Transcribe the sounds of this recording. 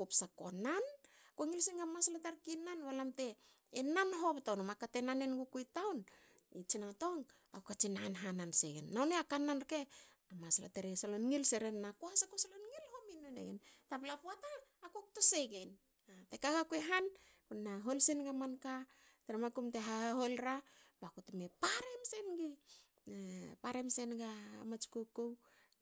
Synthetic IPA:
kupsako̰nankoŋilsinɡamaslataɾkinanwalamte̞ː | nanɦo̞ptawnomakate̞nanenɡukujtawn | it͡ʃinato̞ŋ | a̰wkat͡ʃinaanɦananseɡḛnːawneakanːanke | amasla̰teɾesalonŋilseɾenːakoasakosalonŋilhominonḛɡentaplapuataːkok̚toseɡen | atekaɡakueɦan | kunnaɦolsenɡamanka | teɾemakumteɦaaɦolɾabakotumepaɾemsenɡi | paɾemse̞nɡa̰mat͡ʃi̥kokow

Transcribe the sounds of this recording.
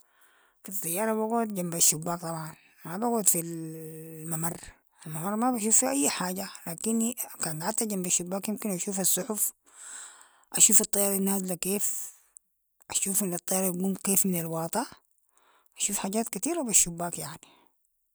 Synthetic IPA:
fit̪ˤːɑjːɑːɾˤɑβaɡuːd̪d͡ʒambaʃːubːaːk̚t̪ˤɑbʕɑn | mabaɡuːd̪fil | mamɑrˤː | ʔalmamɑrˤmabaʃ̬uːfːiʔajːħaːɟalaːkinkaːnħat̪ːaɟambaʃːubːaːkjimkinʔaʃuːfɑsˤːʊħuf | ʔaʃuːfɑt̪ˤːɑjɑːɾˤinːaːslakeːf | ʔaʃuːfʔinːɑt̪ˤːɑjɑːɾˤɑlɡuːmkeːfminalwɑːt̪ˤɑ | ʔaʃuːfħaːɟaːt̪kat̪iːɾabaʃːubːaːkjaʕni̥

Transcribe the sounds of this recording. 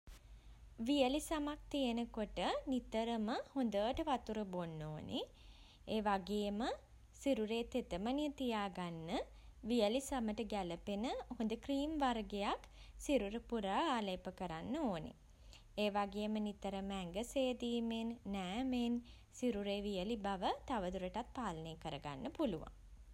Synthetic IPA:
ʋijəlisamak̚t̪ijənəkoʈənit̪əɾəməhond̪əːʈəʋat̪uɾəbonːoːnʔḛ | eːʋaɡeːmə | siɾuɾeːt̪et̪əmənijət̪ijaːɡanːə | ʋijəlisaməʈəɡæləpenəhond̪əkriːmʋaɾɡejak | siɾuɾəpuɾaːaːleːpəkəɾanːəoːnḛ | eːʋaɡeːmənit̪əɾəməæŋɡəseːd̪iːmenːæːmen | siɾuɾeːʋijəlibaʋət̪aʋəd̪uɾəʈat̪̚paːləneːkəɾəɡa̰nːəpuluʋa̰ŋ

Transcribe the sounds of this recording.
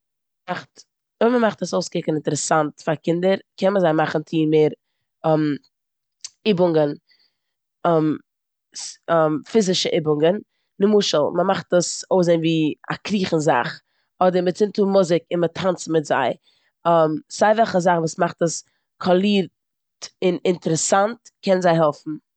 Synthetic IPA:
maχt | ɔməmaχtəsoʊskɪkənɪntəɾɛsantfaɾkɪndəɾkɛnməzaɪmaχn̩t͡sʰiːmeːɾ | m | ɪbʊŋɡən | ɛm | smfɪzɪʃəʔɪbʊŋɡən | nɪmuːʃəl̩ˠməmaχtəsoʊszeɪnviːa̰kɾiːχn̩za̰χ | ɔdəɾmət͡sɪntuːmʊzɪkɪnmətʰant͡smɪtza̰ɪ | mz̥aɪvɛlˠχəzaχvuːsmaχtəs | kʰɔlˠiːɾ | tɪnɪntəɾəsantkʰɛnnzaɪɦɛlˠfn̩

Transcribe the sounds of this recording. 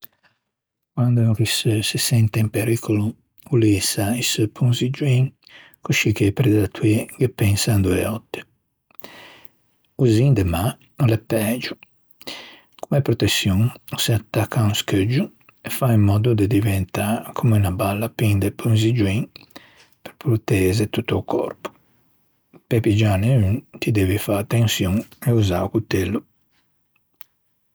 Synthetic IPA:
kwand̪ok̟issisɛnt̪eimpeɾikʰolu | ulisaispʰuŋzid͡ʒuiŋ | kuʃik̟epɾed̪d̪at̪ʰːuiɡepːɛŋsand̪uɛ̰ɔt̪ːe̥ | uzind̪ema | lɛpːɛːd͡ʒu | kumɛpɾɔt̪esːjuŋseat̪ːakʰːaunskəd͡ʒːu | efaimːɔd̪ud̪ed̪ivɛnt̪akʰumunabalːapind̪epunzid͡ʒuiŋ | peɾpɾut̪ɛːzet̪ut̪ːoukʰɔ̰ɾpu̥ | pepid͡ʒaneynt̪id̪ɛːvifaat̪ːensjuŋeuza̰wkut̪ːelːu

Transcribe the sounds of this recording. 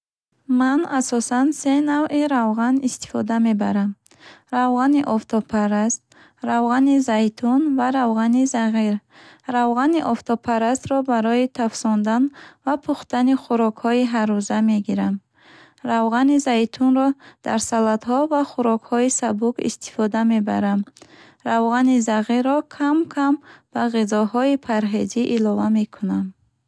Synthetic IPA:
manasɔsanse̞navʔiɾavʁanist̪i̥fɔd̪ame̞baɾam | ɾavʁaniʔɔft̪ʰɔpʰaɾast̪̚ | ɾavʁanizajt̪ʰunvaɾavʁanizaʁiɾ | ɾavʁaniʔɔft̪ʰɔpʰaɾast̪ɾɔbaɾɔit̪ʰafsɔnd̪anvapʰuχt̪aniχuɾɔkhɔiɦaɾuzame̞ɡiɾam | ɾavʁanizajt̪ʰunɾɔd̪̥a̰ɾsalad̪ɦɔvaχuɾɔkhɔisabukḭst̪ʰi̥fɔd̪ame̞ba̰ɾam | ɾavʁanizaʁiɾːɔkʰamkʰamb̥aʁizɔɦɔipʰaɾɦe̞d͡ʒiʔilɔvame̞kʰunam

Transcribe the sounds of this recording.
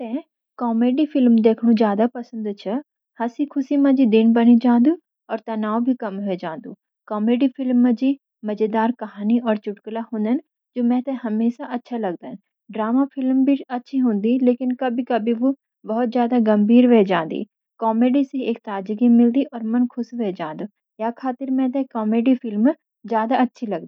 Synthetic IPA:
t̪ɛ̃ | kɔːmeːɖifɪlmd̪eːkʰɽ̃ũzjaːd̪apɐsə̃nd̪t͡ʃʰɐ | hɐsikʰʊsimãd͡ʒid̪ɪnbɐnid͡ʒãːnd̪ũ | ɔːɾt̪ɐnaːwbʱikɐmɦʊed͡ʒãːnd̪uː | kɔːmeːɖifɪlmːə̃d͡ʒi | mɐd͡ʒed̪aːɾkɐɦaːniɔːɾt͡ʃʊʈklaɦʊ̃ːnd̪ən | d͡ʒoːmɛ̃ːt̪ɛ̃ɦɐmeːsaʔɐtːʃʰalɐɡ̚d̪ən | ɖɾaːmafʰɪlmbʱiɐtːʃʰiɦõːnd̪ileːkɪnkɐbʱikɐbʱiʋo | bɐɦʊt̪̚zjaːd̪aɡɐ̃mbʱiːɾʋeːd͡ʒãːnd̪ḭː | kɔːmeːɖiseeːk̚t̪aːd͡ʒɡimɪld̪iʔɔːɾmɐnkʰʊsʋeːd͡ʒãːnd̪uː | jakʰaːt̪ɪɾmɛ̃ːt̪ekɔːmeːɖifɪlm | zjaːd̪aɐtːʃʰilɐɡd̪i

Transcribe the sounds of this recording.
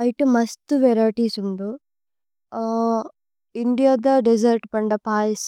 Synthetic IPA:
ɐjʈumɐst̪uʋɛɾaːʈiːsuɳd̪u | iɳɖijaːd̪ɐɖed͡ʒɐɾʈpɐɳɖɐpaːjis

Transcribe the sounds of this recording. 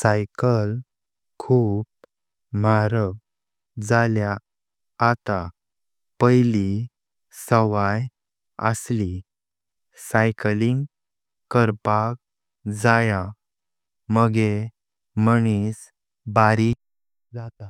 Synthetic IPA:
sajkəl | kʰuːp̚ | maɾəʋ | d͡zaljaː | t̪a | pəjli | səʋaj | ə̰sli | sajkliŋɡ | kəɾpak̚ | d͡zaja | məɡe | məɳ̃is | baɾi | d͡zat̪a

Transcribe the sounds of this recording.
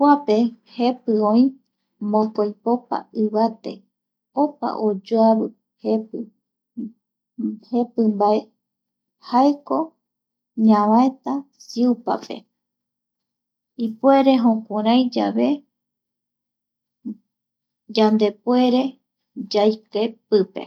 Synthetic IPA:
kʷape̞he̞pɨõĩ | mõkojpo̞pa̰ɨβat̪e̞̰ | o̞pa̰ʔod͡ʒoaβɨ | hepɨ | he̞pɨmbae | haeko̞ | ɲãβaet̪asiupa̰pe̞̰ | ipue̞ɾe̞ɦõkʷãɾãjd͡ʒaβe̞ | d͡ʒand̪e̞pwe̞ɾe̞ | d͡ʒajkepɨpe̞̰

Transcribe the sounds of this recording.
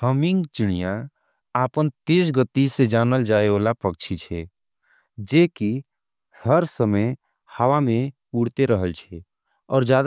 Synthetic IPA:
həmiŋɡt͡ʃɪɽ̃ijã | aːpənt̪eːsɡət̪ised͡ʒaːnəld͡ʒaːeoːlapəkt͡ʃʰit͡ʃʰɛ | d͡ʒeːki | həɾsəməj | həwamẽ | uːɽt̪eɾəɦəlt͡ʃʰɛ | ɔ̰ːɾd͡ʒjaːd̪

